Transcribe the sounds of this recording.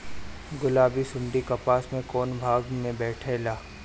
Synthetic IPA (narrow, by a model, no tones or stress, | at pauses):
ɡʊlaːbisʊ̃ɳɖikɐpaːsmẽkɔːnbʱaːɡmẽbɛːʈʰeːlaː